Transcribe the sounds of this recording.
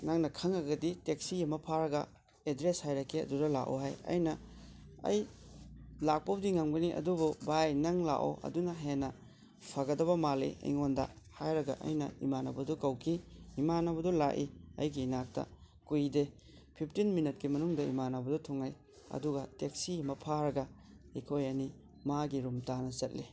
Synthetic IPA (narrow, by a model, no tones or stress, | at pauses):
naŋnɐkʰɐŋɐɡɐditek̚sijɐmɐpʰaɾɐɡɐ̰ | edɾeshajɾɐkʰːiɐ̰dudɐla̰ʔo̰ɦajɐ̰jnɐ | ɐ̰j | lak̚pɐb̚diŋamɡɐniʔɐ̰dububajnɐŋla̰ʔo̰ʔɐ̰dunɐɦenːɐ | pʰɐɡɐdɐβɐmalḭɐ̰jŋondɐ̰ | hajɾɐɡɐ̰ʔɐ̰jnɐ̰ḭmanɐbɐdukɐwkʰiimanɐbɐdula̰ʔiɐ̰jɡinak̚tɐ̰ | kujde | pʰip̚ʰtinminɐt̚kimɐnuŋdɐḭmanabɐdɔtʰuŋaj | ɐ̰duɡɐtek̚simɐpʰaɾɐɡɐ | ikʰojɐni | maɡiɾumtanɐzɐt̚li